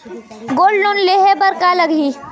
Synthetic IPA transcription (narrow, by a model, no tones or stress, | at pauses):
ɡolnunleɦebəɾkaləɡʱi